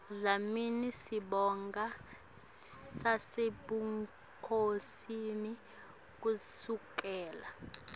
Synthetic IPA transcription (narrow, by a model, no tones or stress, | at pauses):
zaminisiɓɔŋɡʱa | saseɓuŋ | kʰosini | k̬ʼusuk̬ʼɛːla